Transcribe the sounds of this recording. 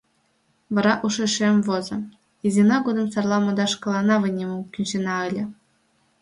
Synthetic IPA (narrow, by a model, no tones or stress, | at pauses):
vɤ̆ɾɑʔuʂĕʂemʲvozɤ̆ | izʲinɑɡod̪ɤ̆msɑrlˠɑmɤ̆d̪ɑʂkɤ̆lˠɑnɑvɯ̆nʲemɤkʲynʲɕenɑɘ̆lʲɘ̆